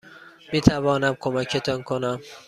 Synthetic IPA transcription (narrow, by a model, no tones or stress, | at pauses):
miːt̪ʰævɒːnæmkʰomækʰet̪ʰɒnkʰonæm